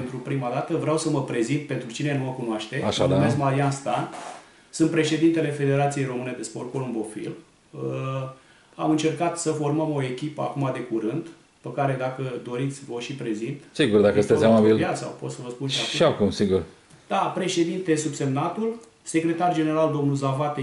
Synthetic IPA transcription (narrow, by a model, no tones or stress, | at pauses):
ent̪ɾupɾimad̪at̪əvɾeawsəməpɾe̞zint̪̚pe̞nt̪ɾut͡ʃine̞numəkunwaʃt̪e̞aʃad̪ameskmaɾianst̪an | sɨnt̪̚pɾe̞ʃe̞d̪int̪e̞le̞fe̞d̪e̞ɾat̪sije̞jɾo̞mɨne̞d̪e̞sporkolɨnbo̞fḭl | ə | amɨnt͡ʃe̞rkat̪səfo̞rməmo̞e̞kʲipəa̰kumad̪e̞kuɾɨnd̪ | pəkaɾe̞d̪akəd̪o̞ɾit̪sʲvoʃipɾe̞zint̪siɡurd̪akəsɨt̪esʲamabiljasa̰wpo̞t̪səvəspunʃaʃʃiakumsiɡur | d̪̥apɾe̞ʃe̞d̪int̪esubse̞mnat̪ul | se̞kɾe̞t̪ard͡ʒe̞ne̞ɾald̪o̞mnulzavat̪e